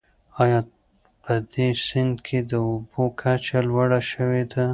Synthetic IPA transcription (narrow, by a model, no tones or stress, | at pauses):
ɑjɑ | pʰəd̪esɪnd̪kʰed̪əʊbokʰat͡ʃalwaɽaʃəwed̪a